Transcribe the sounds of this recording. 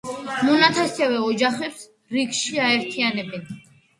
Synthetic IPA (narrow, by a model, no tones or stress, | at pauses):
mɔnat̪ʰasɛvɛɔd͡ʒaχɛps | ɾiɡʃiaɛɾt̪ʰianɛbɛn